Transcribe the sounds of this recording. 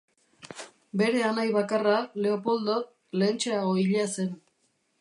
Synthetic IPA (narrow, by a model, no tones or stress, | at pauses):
be̞ɾe̞anajβakarale̞o̞po̞ld̪ot | le̞nt͡ʃeaɣo̞iʎase̞n